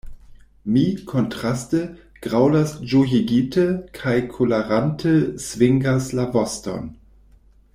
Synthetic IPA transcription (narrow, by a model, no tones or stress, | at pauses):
miːkʰɔntʁ̥astə | ɡ̥ʁaʊlasd͡ʒojiɡitʰəkʰaɪkʰulaʁantʰəsv̥ɪŋɡaslavɔstɔ̰n